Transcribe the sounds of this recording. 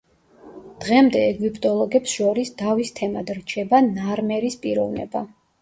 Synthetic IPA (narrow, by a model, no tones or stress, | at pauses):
d̪̥ʁɛmd̪ɛɛɡipʰt̪ʼɔlˠɔɡɛpsʃɔɾisd̪avist̪ʰɛmad̪ɾt͡ʃʰɛbanaɾmɛɾispʼiɾɔvnɛ̰ba